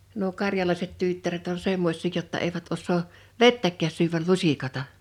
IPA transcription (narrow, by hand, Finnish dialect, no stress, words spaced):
nuo kɑrjɑlɑiset tytːæret on semːosʲˑiː jotːɑ eiʋæt osˑoː ʋetːækːæːs syʋæl lusikɑtɑ